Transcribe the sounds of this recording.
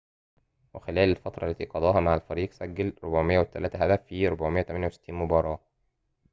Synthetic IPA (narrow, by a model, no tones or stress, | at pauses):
wexelæːlelfɑt̪ɾˤɑlːæt̪iːqɑd̪ˤɑːhɑmaʕalfæɾiːqsæɡːælɾobʕmejːæwet̪ːælæːt̪æɦæd̪æfːiɾobʕmejæt̪æmænjæwse̥t̪ːiːnmobɑːɾˤɑː